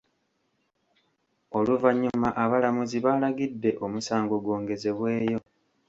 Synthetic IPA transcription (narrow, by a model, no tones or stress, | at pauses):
o̞luvaɲːumaʔaβalamuziβalaɡidːe̞ʔo̞musaːŋɡo̞ɡwo̞ːŋɡe̞ze̞βwe̞ːjo̞